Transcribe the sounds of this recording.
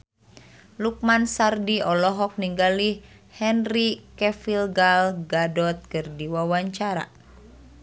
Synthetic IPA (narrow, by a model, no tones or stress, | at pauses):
luk̚mansardiɔlɔɦɔk̚niŋɡali | hɛnrikɛfilɡalɡadɔt̪̚kɨrdiwawaɲt͡ʃaɾa̰